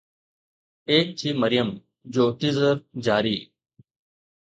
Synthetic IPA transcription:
eːk̚t͡ɕʰiːməɾɪjəm | d͡ʑoːʈizəɾd͡ʑaːɾiː

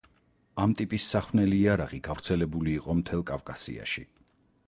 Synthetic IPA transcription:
amt̪ʼipʼisːaχnɛliːaɾaʁiɡavɾt̪sʰɛlɛbuliːqʼɔmt̪ʰɛlˠkʼavkʼasḭa̰ʃḭ

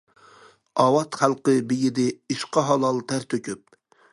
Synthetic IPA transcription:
ɑwɑt̪χælˠqəbijid̪ɪiʃqɑɦɑlˠɑlˠt̪ʰæɾt̪ʰøkʲyp̚

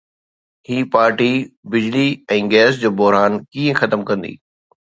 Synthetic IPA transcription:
hiːpaːɾʈibɪd͡ʑliɛ̃ːɡɛːs̬d͡ʑoːbɔɦɾaːnkĩːẽxɐt̪əmkɐ̃nd̪ḭː

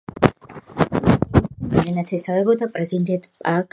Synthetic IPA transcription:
amd̪ɛnat̪ʰɛsavɛbɔd̪apʼɾɛzind̪ɛnt̪ʼpʼak

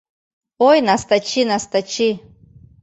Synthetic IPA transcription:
ojnast̪at͡ʃʰinast̪at͡ʃʰi

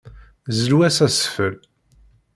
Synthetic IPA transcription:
zəlwæsæsfəl

